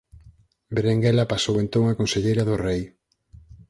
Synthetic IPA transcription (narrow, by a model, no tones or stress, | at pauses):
beɾeŋɡɛlapasowent̪õŋakonseʎejɾɐðʊrej